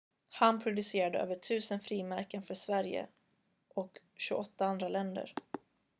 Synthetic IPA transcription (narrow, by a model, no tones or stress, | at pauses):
hanpʰɾʊd̪ɵseːɾad̪əø̰ːvəʈʰʉ̟ːsənfɾiːmæɾkənfœʂvæɾjə̰ | ʔɔk | ɕɵɔt̪ːaand̪ɾalɛnd̪ə̰ɾ